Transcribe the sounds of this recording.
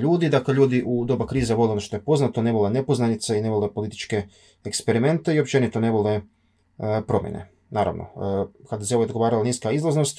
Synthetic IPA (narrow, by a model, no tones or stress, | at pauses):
ʎuːd̪id̪akleʎuːd̪iʔud̪o̞bakɾiːzeʋo̞leonoʃt̪ojepo̞znat̪one̞ʋolene̞po̞znanit̪seineʋolepo̞lit̪i̥t͡ʃke̞ | ekspeɾime̞nt̪e̞io̞p̚t͡ʃe̞nit̪o̞ne̞ʋole̞ | pɾo̞mjḛnḛ | naːɾa̰ʋno̰kad̪aseoojd̪ɡo̞ʋaːɾalaniːskaizlˠozno̞st̪